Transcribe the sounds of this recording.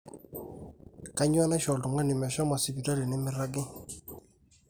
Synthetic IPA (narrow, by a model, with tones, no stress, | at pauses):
ka˦ɲwa˦na˦ʃɔ˨ldu˨ŋa˦nɪ˨mɛ˨ʃɔ˦ma˨si˨bi˨ta˦ɾi˨nɪ˦mɪ˦ɾa˦ɡɪ˦